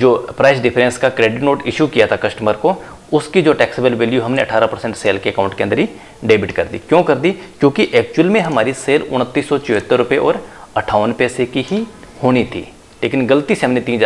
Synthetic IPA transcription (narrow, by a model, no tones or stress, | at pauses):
d͡ʒoːpɾaɪsɖɪpʰɾɛ̃nskakɾeːɖɪʈnoːʈɪʃukijat̪ʰakɐsʈəməɾko | ʊskid͡ʒoːʈɛːksbəlʋeːljuɦɐmneɐʈʰaːɾapɐɾsɛ̃ɳʈseːlkeɐkaːʊ̃ɳʈkeɐ̃nd̪əɾi | ɖeːbɪʈkɐɾd̪ḭkjõːkɐɾd̪ikjõːkiʔɛːkt͡ʃuwəlmẽɦɐmaːɾiseːlʊ̰ñət̪ːiːsːɔt͡ʃʊɦət̪ːəɾɾʊpeʔɔːɾ | ɐʈʰaːʋənpɛːsekiɦihoːnit̪ʰḭː | leːkɪnɡəlt̪iseɦɐmnet̪iːn